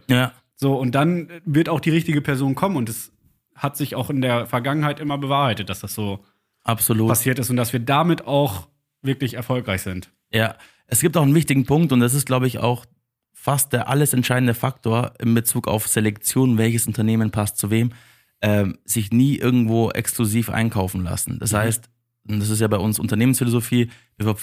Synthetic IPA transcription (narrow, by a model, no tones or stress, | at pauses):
jaː | z̥oːʊnt̚d̥anvɪɐtaʊxd̥iːʁɪçtɪɡəpʰɛɐzoːnkʰɔmənʊntd̥as | hatz̥ɪçaʊxɪndeːɐfɛɐɡaŋənhaɪtʔɪmɐbəvaːhaɪtət̚d̥asd̥asz̥oː | ʔapz̥oluːpasiːɐtɪstʊntd̥asv̥iːɐdaːmɪtaʊx | v̥ɪɐklɪçɛɐfɔlkʁaɪçz̥ɪnt | jaː | ʔɛsɡ̥iːp̚taʊxnvɪçtɪɡŋ̩pʰʊŋktʊntd̥as̬ɪstɡ̥laʊbəɪça̰ʊx | fast̚d̥eːɐʔa̰ləsɛntʃaɪdn̩dəfak̚tʰoːɐʔɪmbət͡suːka̰ʊfz̥elɛkt͡sjoːnvɛlçəsʔʊntɐneːmənpʰastt͡suveːm | ʔɛːmzɪçniːʔɪɐɡŋ̩tv̥oːʔɛ̰ksklʊziːfʔa̰ɪnkʰaʊfn̩la̰sn̩d̥ashaɪst | ʊnd̥as̬ɪstjaːbaɪʔʊnsʔʊ̰ntɐneːmənsfɪlozofiː | viːf